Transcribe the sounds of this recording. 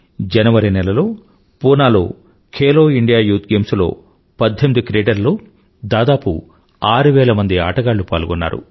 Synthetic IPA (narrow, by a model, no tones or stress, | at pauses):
d͡ʒɛnɐʋɐɾinɛlɐlo̞ː | puːnaːlo̞̰ː | kʰeːlo̞ːiɳɖijaːjuːt̪̚ɡeːmslo̞̰ː | pɐd̪ʱːemid̪ikɾeːɖɐɾlo̞ː | d̪aːd̪aːpṵ | aːɾuʋɛːlɐmɐnd̪ia̰ːʈɐɡaːɭːupaːlɡɔnːa̰ːɾṵ